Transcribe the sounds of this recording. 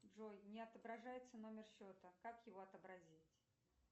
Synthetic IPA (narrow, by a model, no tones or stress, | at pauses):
ʐo̞jnʲɪɐt̪əbɾɐʐajɪt̪səno̞mʲɪrɕo̞t̪əkakjɪvo̞ɐt̪əbɾɐzʲitʲ